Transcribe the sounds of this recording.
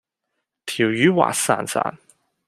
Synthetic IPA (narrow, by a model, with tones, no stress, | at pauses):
t̪ʰi˨˩wjy˨˥wa̰ː˨˩sa̰˨˩nsa̰˨˩n